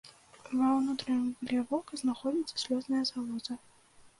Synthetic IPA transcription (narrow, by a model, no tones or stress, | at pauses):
vɐnut̪ɾɨnʲɡlʲɛvɔkɐznaxɔdʲit̪sɐ̥sʲlʲɔznɐjɐzɐvɔzɐ